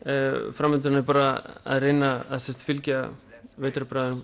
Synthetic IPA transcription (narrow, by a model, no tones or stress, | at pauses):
fɾamːɪt̪̬ɾnɪpaːɾaa̰ðrɪnaaðsɛst̪fɪlcɪveːjt̪ɾɪpɾaðɪnʏm